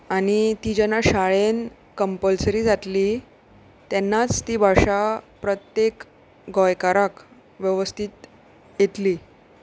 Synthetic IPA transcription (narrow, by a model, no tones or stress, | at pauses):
añit̪iːd͡ʑənaɕaɭen | kəmpəlsɾiːd͡zat̪li | t̪janːat͡st̪iːbʱaʂapɾət̪jek | ɡɔjkaɾak | ʋjəʋəst̪ʰit̪ | jet̪liː